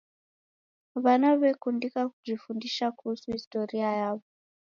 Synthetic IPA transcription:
ʋanaβekundikakuʐifundiʃakuːsuɦisto̞riajaːʋo

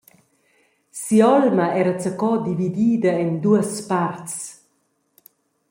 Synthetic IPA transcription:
siɔlmaɛɾət͡sakɔd̪ivid̪iːd̪əɛnd̪uəspartt͡s

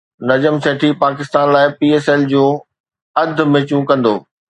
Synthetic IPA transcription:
nɐd͡ʑəmseːʈʰipaːkɪst̪aːnlaːɪpiːeːseːld͡ʑũː | ɐd̪̆ʱmɪ̃t͡ɕjũkɐ̃nd̪o̰ː

